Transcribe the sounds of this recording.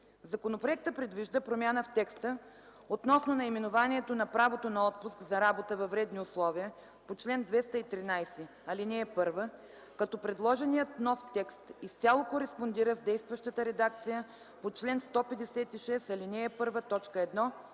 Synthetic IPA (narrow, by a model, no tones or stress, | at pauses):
zɐkonopɾoɛk̚t̪əpɾɛd̪viʒd̪əpɾomʲjanəft̪ɛkst̪ə | ot̪nɔsnonɐimɛnʊvaniɛt̪onɐpɾavot̪onɐɔt̪̚pʊskzɐɾabot̪əvɐvɾɛd̪niʊslˠɔvijə | pot͡ʃlɛnd̪vɛst̪əit̪ɾinajsɛ | ɐlinɛːpɤɾvə | kɐt̪ɔpɾɛd̪lˠɔʒɛnijət̪nɔft̪ɛkst̪ist̪ʲalˠokoɾɛspond̪iɾəzd̪ɛjst̪vɐʃt̪ət̪əɾɛd̪ak̚t̪sijə | pot͡ʃlɛnst̪ɔpɛd̪ɛsɛt̪iʃɛsɐlinɛːpɤɾvət̪ɔt͡ʃkəɛd̪nɔ